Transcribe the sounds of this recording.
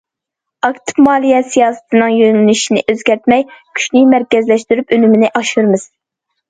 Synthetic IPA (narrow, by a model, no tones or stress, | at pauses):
ɑkt̪ʰɨ̥pmɑːlˠijɛsijɑːsɨ̥t̪ʰɨnɨŋjønlnyʃinɪ̰ʔøzɡʲæɾt̪̚mɛjkʲʰy̥ʃnɪmæɾkʲɛzlɛʃt̪yɾypølymɪnɪʔɑʃuɾmɨz̥